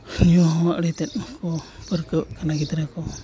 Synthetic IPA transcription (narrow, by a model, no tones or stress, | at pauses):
hjuɦɔmaʔɽɛt̪ɛt̪̚mkɔpəɾkəwkanaɡit̪ɾɛkɔ